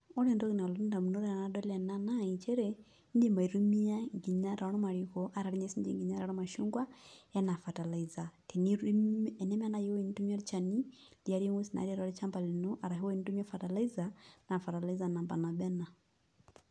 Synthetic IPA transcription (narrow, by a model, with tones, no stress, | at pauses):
ɔ˦ɾɛ˨ndɔ˦ki˨na˨lɔ˦ɾnda˨mu˨nɔ˦ɾɛ˦a˨na˦dɔ˦lɛ˨na˦na˦i˨t͡ʃɛ˦ɾɛ˦ | n˦di˦ma˨i˨ɾu˦mi˦a˦ŋɡi˨ɲa˦ɾa˨˦ɾɔ˦ma˨ɾi˨kɔ˨ʔa˨ɾa˨ɾi˦ɲɛ˦si˦nd͡ʒɛ̰˨ŋɡi˨ɲa˦ɾa˨ɾɔ˦ma˨ʃu˦ŋɡwa˦ɛ˦na˨fa˨ta˨la˨iza˨tɛ˨n | ɛ˨nɛ˦ma˦na˦ji˦wi˨ni˦tu˦mi˦a˦ɾt͡ʃa˨ni˦li˨a˦ɾi˦ŋu˦si˨na̰˨˦ɾi˦ɾa˨ɾi˦t͡ʃa˦mba˨li˨nɔ˦ʔa˨ɾa˨ɦi˦wɔ˦i˨ni˦tu˦mi˦a˦fa˨ta˨la˦i˦zana˨fa˨ta˨la˦i˦za˨na˨mba˨na˨ɓɛ˦na˨